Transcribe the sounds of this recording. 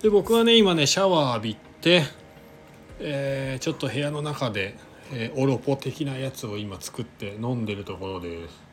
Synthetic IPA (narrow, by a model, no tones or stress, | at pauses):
d̪̥e̞bo̞kɯ̟ɡane̞imane̞ɕaβaːbʲit̪ːe̞ | eːt͡ɕo̞t̪ːo̞he̞jano̞nakad̪e̞ | eːʔo̞ɾo̞po̞t̪e̞kʲinajat͡sɨo̞imat͡sɨ̥kɯ̟t̪ːe̞nõ̞nd̪e̞ɾɯ̟t̪o̞ko̞ɾo̞d̪e̞sɨ̥